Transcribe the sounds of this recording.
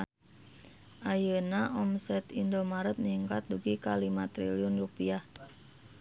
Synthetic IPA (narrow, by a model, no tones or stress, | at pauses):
ʔajənaʔɔmsɛt̪indomaɾət̪̚niŋkat̪̚duɡikalimat̪ɾḭliʊnrupiah